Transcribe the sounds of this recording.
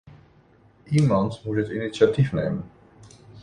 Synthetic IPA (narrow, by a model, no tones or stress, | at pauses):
ʔimɑnt̪ʰmuʃɛt̪init͡sjat̪ʰivnɛ̰jmən